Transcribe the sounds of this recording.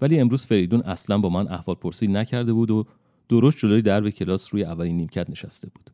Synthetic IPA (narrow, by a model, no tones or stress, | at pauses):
væliːe̞mɾuːz̥fe̞ɾejd̪uːnʔæslænbɒːmænʔæ̰hvɒːlpʰo̞ɾsiːd̪næcʰæɾd̪e̞buːd̪o | d̪̥oɾos̬t̪̚d͡ʒo̞loːjed̪æɾbe̞cʰe̞lɒːsɾuːjeævːælinːiːmcʰæt̪ne̞ʃæst̪ʰe̞buːd̪̥